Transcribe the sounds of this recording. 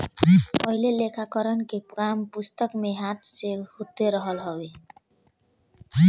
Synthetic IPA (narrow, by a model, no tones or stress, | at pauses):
pʌɦilelekʰakəɾənkepɡampust̪əkmeɦãt̪sehut̪eɾəɦəlɦɔwe